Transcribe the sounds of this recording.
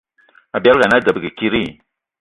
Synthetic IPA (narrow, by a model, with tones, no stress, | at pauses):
a˨bi˨a˦lɡa˨na˦da˨bə˨ɡi˨ki˦ɾi˦˨